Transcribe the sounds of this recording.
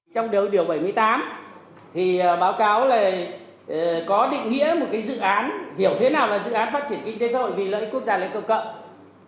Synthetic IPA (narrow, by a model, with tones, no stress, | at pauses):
t͡ɕɔ˧wŋ͡mɗi˨˩wɗi˧˩əwɓə˧˩jmɨ˧əjt̪aː˨˦m | t̪ʰi˨˩˨ɓaː˨˦wkaː˨˦wlaː˨˩˨ | kɔ˨˦ɗḭ̈˧˨ŋ̟ŋḭ˧˥əmo˨˩t̚kaː˨˦jzɨ̰˧˨ʔaː˨˦nhi˧˩əwt̪ʰe˨˦naː˨˩wlaː˨˩zɨ̰˧˨ʔaː˨˦nfaː˦˥t̚t͡ɕi˧˩ənki˧ŋt̪e˨˦saː˧hɦo̰˧˨jvi˨˩lə̰ː˧˥jku˦˥ək̚zaː˧la̰ː˧˩jkə˧˩wkə̰˧˨m